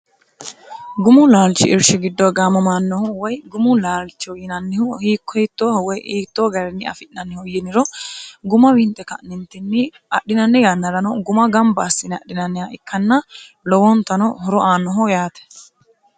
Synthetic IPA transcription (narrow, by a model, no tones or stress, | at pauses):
ɡʊmʊlaːlt͡ʃːɪ̰ɪɾʃɪɡɪd̪ːɔɡaːmːɐmaːnːɔhɔwɔjɡʊmʊlaːlt͡ʃːɔjɪnɐnːɪhʊhiːkːɔhɪt̪ːoːhɔwɔjʔiːt̪ːoːɡɐɾɛnːɪɐ̰fɪʔnɐnːɪhɔjɪnɪɾɔɡʊmɐwɪnt̪ʼːɛkɐ̰ʔnɪnt̪ːɪnːɪ | ɐɗːɪnɐnːɪjanːɐɾɐnɔɡʊmɐɡɐmbɐːsːɪnɐ̰ɗːɪnɐnːɪjaʔɪkːɐnːɐ | lɔwɔnt̪ɐnɔhɔɾɔʔaːnːɔɦɔjaːt̪ɛ̥